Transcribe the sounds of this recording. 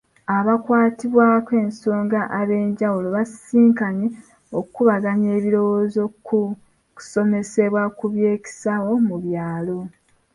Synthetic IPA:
aβakwaːtiβwaːkwe̞ːnso̞ːŋɡaʔaβe̞ːɲɟawulo̞βaiːŋkaɲe | okuβaɡaɲe̞ːβiɾo̞wozo̞ku | ku̥so̞me̞se̞βwakuβje̞ːki̥sawo̞muβjaːlo̞

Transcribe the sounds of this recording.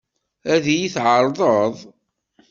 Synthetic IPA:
æðijiθʕəɾˤðˤəðˤ

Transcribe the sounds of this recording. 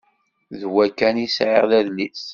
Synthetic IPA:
ðwækːænisʕḛʁðæðlis

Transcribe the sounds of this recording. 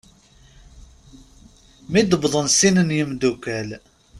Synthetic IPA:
mid̪əbðˤənsinənjəmd̪ukːæl

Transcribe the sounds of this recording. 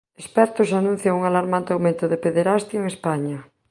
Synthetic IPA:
espɛɾt̪osanũn̟θjaŋuŋalaɾmãnt̪eawmẽnt̪oðepeðeɾast̪joeŋespaɲɐ

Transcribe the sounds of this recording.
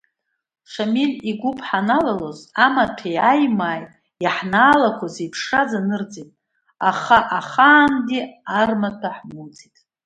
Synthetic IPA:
ʂamilʲiɡʷʊpʰʼħanalalozamatʰejajmaːj | jaħnaːlakʷʰazepʰʂazanɨrd͡zitʼ | aχaʔaχaːnɡʲiarmatʰaħmud͡zitʼ

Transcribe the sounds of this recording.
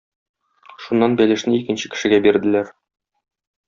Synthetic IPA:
ʃunːɑnbælɘ̆ʃnɘikɘ̆nɕɘ̥kɘ̆ʃɘ̆ɡæbiɾd̪ɘ̆læɾ

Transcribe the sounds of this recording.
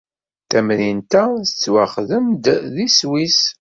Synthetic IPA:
θæmɾint̪æθət͡sːwaχðəmd̪ðiswis

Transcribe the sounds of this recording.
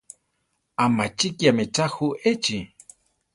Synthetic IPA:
amat͡ʃikjameʈ͡ʂaxuʔet͡ʃi

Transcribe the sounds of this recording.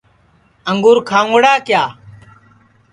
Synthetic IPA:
əŋɡʊːɾkʰãːŋɽaːkjaː

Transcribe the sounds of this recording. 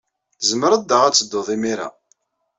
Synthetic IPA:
zməɾəd̪ːəʁæt͡sːəd̪ːoðˤimiɾa̰

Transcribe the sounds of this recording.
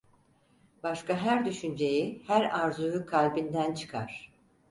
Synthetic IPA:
b̥aʃkʰaɦæɾd̪yʃynd͡ʒe̞jihæɾaɾzujukʰalʲbind̪ænt͡ʃʰɯ̥kʰaɾ̥

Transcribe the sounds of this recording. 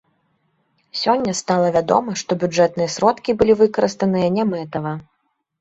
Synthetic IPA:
sʲɔnʲːɐst̪alˠɐvʲad̪ɔ̰mɐʂt̪ɔbʲud͡ʐɛt̪̚nɨjɐsɾɔt̪kʲibɨlʲivɨkɐɾɨst̪ɐnɨjɐnʲɛmɛt̪ɐvɐ

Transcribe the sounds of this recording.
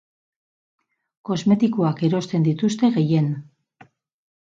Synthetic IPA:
ko̞zme̞t̪ikoake̞ɾo̞st̪e̞nd̪it̪ust̪e̞ɣe̞je̞n

